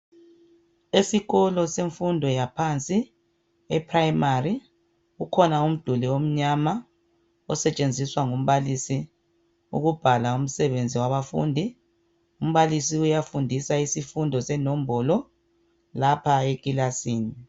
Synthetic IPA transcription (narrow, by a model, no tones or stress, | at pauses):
esiɣɔlɔseɱfundʱɔjapʰant͡sʼi | ɛpʰrajmari | ukʰɔnaum̩d̥ʱuliwom̩ɲama | ɔsɛt͡ʃʼend͡zʱiswaŋum̩βalisi | ṵɣub̥ʱalaum̩sɛβend͡zʱiwaβafṵːndʱi | um̩βalisiujafundʱisaisifundʱɔsɛnɔm̩bɔlɔ | lapʰaekʼilasiːni